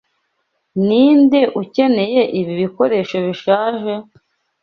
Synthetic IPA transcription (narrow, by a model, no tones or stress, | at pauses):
niːndeʔuce̞ne̞je̞ʔiβiβiko̞ɾe̞ːʃoβiʃaːʒe̞